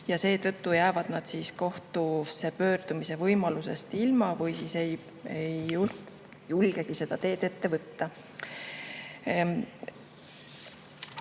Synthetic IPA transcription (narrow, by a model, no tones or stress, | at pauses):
jɑse̞ːt̪ɤt̪ːujæːvɑd̪̥nɑd̪̥siːsko̞ht̪use̞pø̞ːrd̪̥umise̞vɤjmɑluse̞̰st̪ilmɑvɤjsiːsej | ejː | ulɡ̥e̞ɡ̥ise̞d̪̥ɑt̪e̞ːd̪̥e̞t̪ːe̞vɤt̪ːɑ